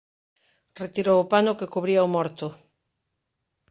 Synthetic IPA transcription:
ret̪iɾoʊpanʊkekoβɾiɐomɔɾt̪ʊ

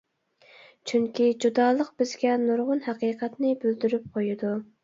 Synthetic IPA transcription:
t͡ʃʰyŋkʲid͡ʒud̪ɑːlˠəq̚b̥ɪzɡʲɛnuɾʁʊnhæqiːqʰɛt̪nɪbyld̪yɾyp̚qʰojud̪u

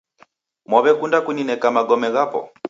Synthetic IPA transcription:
mwɔβɛkundakuninɛkamaɡɔmɛɣapɔ̰

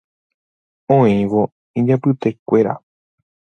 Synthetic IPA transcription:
õĩʋo | ĩd͡ʒapɨt̪e̞kʷe̞ɾa̰

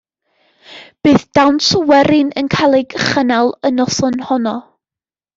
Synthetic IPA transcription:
b̥ɨːθd̥awnsɔwɛɾɪnənkʰalˠɪɡχənalˠənɔθɔnhɔnɔ

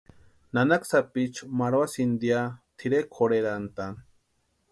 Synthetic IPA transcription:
nanaksapit͡ʃmaɾwasind̪jat̪ʰiɾekʰoɾeɾant̪an

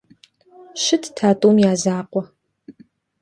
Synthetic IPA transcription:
ʃɪtʰtʰaːtʼumjaːzaːqʷɔ

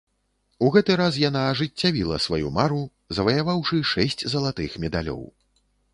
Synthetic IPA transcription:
uɣɛt̪ɨɾas̬jan̪aːʐɨt͡sʲːavʲilˠɐ̰svajumaɾu | zɐvɐjavawʂɨʂɛsʲt͡sʲzɐlˠat̪ɨxmʲɛd̪a̰lʲɔ̰w

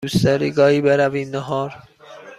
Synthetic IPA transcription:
ust̪æɾiɡɒːibeɾævinːɔɦɒːɾ

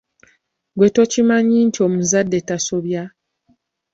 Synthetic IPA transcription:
ɡwe̞to̞cimaɲiːntio̞muzadːe̞taso̞βja

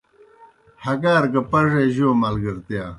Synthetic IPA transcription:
hɐkaːɾkɐpɐʐejʑoːmɐlɡɐɾt̪jaː

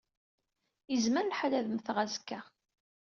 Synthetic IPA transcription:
izməɾlħalæðəmθʁazkːæ

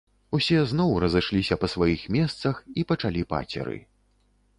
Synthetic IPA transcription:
usʲɛzn̪ɔwɾɐzɨʂlʲisʲɐpɐsvajixmʲɛst̪sɐxipɐt͡ʂalʲipa̰t͡sʲɛ̰ɾɨ̰

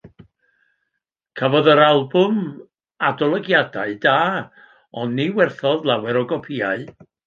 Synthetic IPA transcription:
kʰəvɔðəɾalˠbʊm | adɔlˠəɡjadaɨdaː | ɔnːiwɛrθɔðlˠawɛɾɔɡɔpʰiaɨ

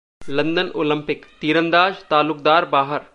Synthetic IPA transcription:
lɐ̃nd̪ənoːlə̃mpɪkt̪iːɾə̃nd̪aːd͡ʒt̪aːlʊkd̪aːɾbaːɦəɾ

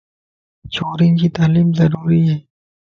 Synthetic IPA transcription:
t͡ɕʰoːɾɪŋkit̪aːliːmzɐɾuːɾijeː

